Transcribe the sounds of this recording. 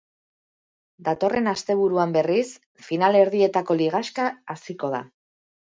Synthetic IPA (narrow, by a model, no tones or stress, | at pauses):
d̪at̪o̞re̞nast̪e̞β̞uɾuambe̞ris | finale̞ɾðie̞t̪ako̞liɣ̞askaːsiko̞ð̞a̰